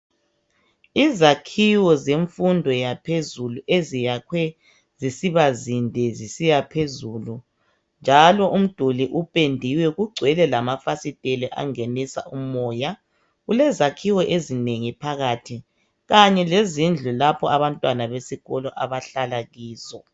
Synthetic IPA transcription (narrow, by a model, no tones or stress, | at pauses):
izakʰiwɔzeɱfundʱɔjapʰezuluʔezijakʰwɛ | zisiβazindʱɛzisijapʰezulu | nd͡ʒʱalɔʔum̩d̥ʱuliʔupʼendʱiwɛɣuɡ͡ǀʱwɛlɛlamafasitʼeliʔa̰ŋenisa̰umɔːja | ɣulɛzakʰiwɔʔezineŋipʰaɣaːtʰi | ɣaɲɛlezind͡ɮʱulapʰɔaβantʼwanaβesiɣɔlɔʔaβaɬalaɣiːzɔ